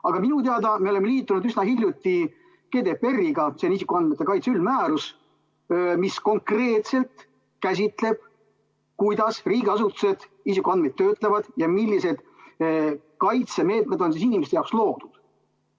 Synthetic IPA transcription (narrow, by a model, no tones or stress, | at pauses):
ɑɡ̥ɑminut̪eɑd̪ɑmeo̞le̞mːeliːt̪ˑːunud̪ysnɑhilʲjut̪ːˑi | ke̞ːd̪epe̞rːiɡɑsenisikːˑuɑnmet̪ːe̞kɑjt̪seylmæːɾus | misko̞ŋkre̞ːt̪se̞lt̪ | kæs̬ʲit̪le̞b̥̚ | kujd̪ɑsriːɡeɑsut̪ːˑu̥se̞d̪̥isikːˑuɑnmet̪ːøːt̪ˑlevɑd̪̥jɑmilʲːise̞d̪̥ | kɑjt̪se̞me̞ːt̪̚me̞d̪̥o̞nsisinimeset̪eɑowkslo̞ːd̪̥ud̪̥